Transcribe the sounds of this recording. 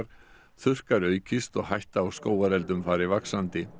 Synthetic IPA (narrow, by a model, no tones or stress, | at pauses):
ɾ̥ | θʏr̥kaɾœːɥcɪst̪ɔɣhajht̪aːwskoːwaɾɛlt̪ʏmfaːɾɪvaksant̪ɪ